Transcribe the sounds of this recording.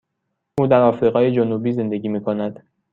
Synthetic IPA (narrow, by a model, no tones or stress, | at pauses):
ʔuːd̪æɾɒːfɾiːʁɒːjed͡ʒonuːbiːze̞nd̪e̞ɡʲiːmiːkʰonæd̪̥